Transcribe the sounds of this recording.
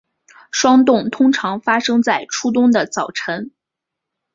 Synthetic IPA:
ʂwɑ˥ŋt̪ʊ˥˩ŋt̪ʰʊ˥ŋʈ͡ʂʰɑ˧˥ŋfa˥ʂɤ˥ŋt͡sa˥˩ɪʈ͡ʂʰu˥t̪ʊ˥ŋd̪ə˨t͡sɑ˨˩ʊʈ͡ʂʰə˧˥n

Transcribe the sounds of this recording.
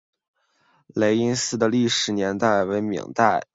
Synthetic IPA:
le˧˥ɪi˥nsɹ̩˥˩d̪ə˨li˥˩ʂɻ̩˧˥njɛ˧˥nt̪a˥˩ɪwe˧˥ɪmḭ˨˩ŋt̪a˥˩ɪ

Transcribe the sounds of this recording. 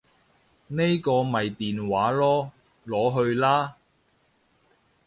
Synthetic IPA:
ne˥jkɔː˧mɐ˨jt̪iː˨nwaː˨˥lɔː˥ | lɔː˨˥ɦɵ˧ɥlaː˥

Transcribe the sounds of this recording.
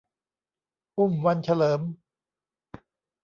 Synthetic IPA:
ʔu˥˩mwa˧nt͡ɕʰa˧lɤː˩˦m

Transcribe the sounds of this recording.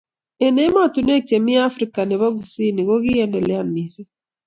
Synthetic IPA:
e˨ne˦ma˦˨tu˨ne˦t͡ʃe˨mi˦a˦fɾi˨ka˨ne˨βa˦ɡu˨si˦ni˨ɣo˦ɣi˦ɛ˦ndɛ˨le˨a˦nisi˦

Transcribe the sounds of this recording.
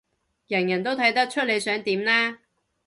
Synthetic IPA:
jɐ˨˩njɐ˨˩nt̪̬o˥wt̪ʰɐ˨˥jt̪ɐ˥k̚t͡ʃʰɵ˥le˨˧jsœː˨˥ŋt̪iː˨˥mnaː˥

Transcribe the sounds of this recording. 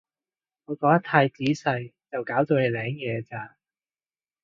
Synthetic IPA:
ŋɔː˨˧kɔː˨˥jɐ˥t̪ʰaː˧jt͡siː˨˥sɐ˧jt͡sɐ˨wkaː˨˥wt̪o˧wle˨˧jlɛː˨˥ŋjɛː˨˧t͡saː˧

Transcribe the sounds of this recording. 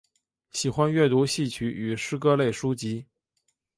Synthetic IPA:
ɕi˨˩xwa˥nɥɛ˥˩t̪u˧˥ɕi˥˩t͡ɕʰy˧˥y˨˩ʂɻ̩˥kɤ˥le˥˩ɪʂu˥t͡ɕi˧˥

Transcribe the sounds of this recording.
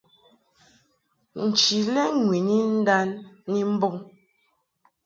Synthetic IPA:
n̩˨t͡ʃi˨lɛ˦ŋwi˨ni˦n̩˦da˦nːi˦m̩˦bo˦ŋ

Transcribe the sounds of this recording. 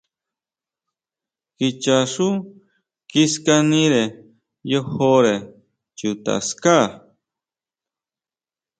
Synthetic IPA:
ki˧t͡ʃa˨ʂu˦ | kiska˦nĩ˦ɾe˨ | jo˦ho˦ɾe˨ | t͡ʃu˨t̪a̰˨ska˦

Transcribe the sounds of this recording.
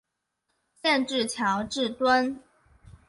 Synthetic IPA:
ɕjɛ˥˧nʈ͡ʂɻ̩˥˩t͡ɕʰjɑ˧˥ʊʈ͡ʂɻ̩˥˩t̪wə˥n

